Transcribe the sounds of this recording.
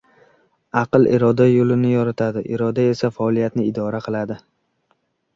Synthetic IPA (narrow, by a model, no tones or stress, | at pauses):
aqɨlˠɪ̰ɾɒd̪ajolɪnɪjɒɾat̪ʰad̪ɪʔɪɾɒd̪ae̞safaːlˠijat̪nɪɪd̪ɒɾaqʰɨlˠad̪ɪ